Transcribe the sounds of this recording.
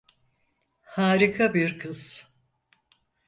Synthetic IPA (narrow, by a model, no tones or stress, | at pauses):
haːɾikʰabiɾkʰɯz̥